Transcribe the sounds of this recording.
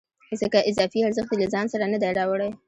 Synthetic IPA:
zəkaʔɪzɑfiaɾzəxt̪elazɑnsaɾanad̪ajɾɑwəɽaj

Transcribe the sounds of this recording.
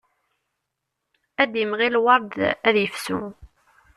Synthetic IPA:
æd̪əmʁilwɑɾˤd̪æðjəfsṵ

